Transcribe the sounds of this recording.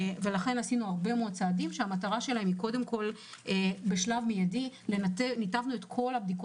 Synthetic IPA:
ve̞laχe̞nasinuaʁbe̞mod̪̚t͡saːdimʃeamataʁaʃe̞lahe̞miko̞de̞mko̞l | ebeʃlavmejadilenatenitavnuet̪kʰo̞lhab̚d̪iko

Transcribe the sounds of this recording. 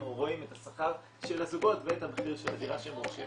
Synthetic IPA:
uʁoimethasaχaʁ | ʃelazuɡo̞tveethameχiʁʃeladiʁaʃemoʃe

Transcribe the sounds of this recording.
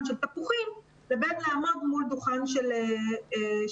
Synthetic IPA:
nʃelt̪apuχim | lebethaːmodmuld̪uχanʃele

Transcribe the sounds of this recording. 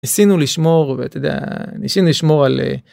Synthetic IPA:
isinuliʃmo̞ʁveat̪ed̪ea̰nisinuliʃmo̞ʁalḛ

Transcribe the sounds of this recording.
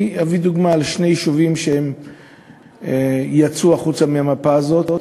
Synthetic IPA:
avid̪uɡmaːlʃnejʃuvimʃeem | ejat͡suaχut͡samiamapaːzo̞t̪

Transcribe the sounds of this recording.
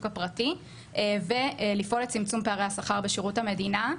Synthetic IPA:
kapʁati | ʔve̞lifʔo̞lett͡simt͡sumpeaʁejhasaχaʁbeʃiʁuthame̞dina

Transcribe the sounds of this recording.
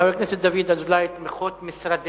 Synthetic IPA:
avekneset̪̚d̪avid̪azulajt̪meχot̪mɪsɾad̪

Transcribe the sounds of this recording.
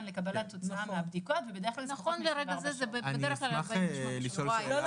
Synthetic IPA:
nlekabalat̪ot͡saʔameabd̪ikavebed̪e̞eklalnaχonleɾeɡazezebebedeeχklallʃliʃolaj

